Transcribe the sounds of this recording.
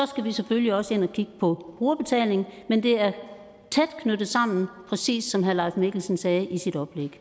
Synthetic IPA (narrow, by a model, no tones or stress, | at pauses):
sɒ̽sɡ̥æʋisefølliɒ̽səe̝n̰ɒkʰiɡ̥əpʰɒ̽b̥ʁuːɐb̥e̝t͡sʰɛ̰ːle̝ŋn̩mend̥e̝æɐ | t͡sʰed̥kʰnød̥ð̩ˠsɑ̈m̰n̩pʰʁɛsḭːsːɒ̽mɦæɐlɑ̈ɪfme̝ɡ̥l̩sən̩sɛːʔisid̥ɒ̽b̥leɡ̥